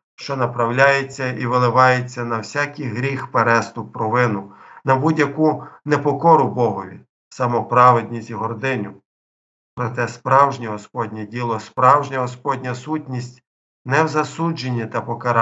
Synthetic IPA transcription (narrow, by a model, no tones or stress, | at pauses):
ʃt͡ʃɔnɐpɾɐwlʲajet͡sʲːɐiʋɪlˠɪʋɑjet͡sʲːɐnɐwsʲakijɦɾʲixpeɾɛst̪ʊpːɾɔʋɪnʊnɐbudʲjɐkunepɔkɔɾʊbɔɦɔʋʲḭ | sɐmɔpɾɑʋed̪ʲnʲisʲtʲiɦɔrd̪ɪnʲʊ | pɾɔt̪ɛspɾɑwʒnʲiɦɔspɔdʲnʲɛdʲilˠɔspɾɑwʒnʲɐɦɔspɔdʲnʲɐsutʲnʲisʲtʲ | nɛwzɐsud͡ʒenʲːit̪ɐpɔkɐɾ